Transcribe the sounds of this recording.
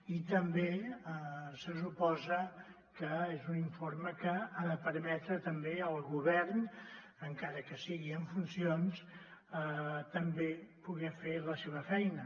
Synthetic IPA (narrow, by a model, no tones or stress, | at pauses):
it̪əmbeəsəs̬upɔzə | kəezuniɱfoɾməkəaðəpəɾmɛt̪ɾət̪əmbeəlˠɣuβɛrn | əŋkaɾəkəsiɣiəɱfunsions | ət̪əmbepuɣɛfeləseβ̞əfɛjnə